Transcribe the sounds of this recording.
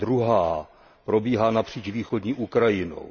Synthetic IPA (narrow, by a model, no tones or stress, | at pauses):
d̪ɾuɦaː | pɾo̞biːɦaːnapr̝̥iːt͡ʃviːxodɲiːʔukɾajɪno̰